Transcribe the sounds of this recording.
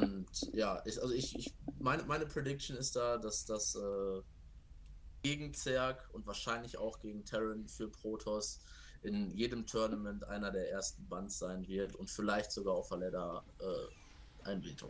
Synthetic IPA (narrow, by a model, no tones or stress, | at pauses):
ʔʊntjaːʔɪsʔalzoɪçɪçmaɪnəmaɪnəpʁ̥edɪk̚tonɪst̚d̥aːdasd̥asʔɛː | ɡ̥eːɡŋ̩t͡sv̥ɛɐkʊntv̥aːɐʃaɪnlɪça̰ʊxɡ̥eːɡŋ̩tʰɛʁənfyːɐpʁ̥oːtʰɔs | ʔɪnjeːdəmtʰœɐnamɛntʔa̰ɪnɐdeːɐʔeːɐstn̩bantz̥aɪnvɪɐtʊntfɪlaɪçtz̥oɡaːʊfalɛdɐʔɛ̰ː | ʔa̰ɪnbɪntʰʊ̰ŋ